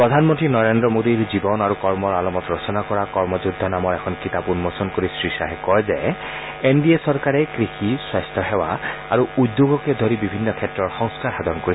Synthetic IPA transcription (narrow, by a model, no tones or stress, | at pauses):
pɹɔd̪ʱanmɔntɹinɔɹendɹɔmodiɹzibɔnaɹukɔɹmɔɹalɔmɔtɹɔsɔnakɔɹakɔɹmɔzud̪ʱːɔnamɔɹɛkʰɔnkitapunmɔsɔnkoɹisɹiʃaɦɛkɔjzɛ | endiesɔɹkaɹɛkɹixiswast̪ʰɔɦɛwa̰a̰ɹuud̪joɡɔked̪ʱoɹibibʱinːɔkʰɛtɹɔɹxɔŋskaɹhad̪ɔnkoɹi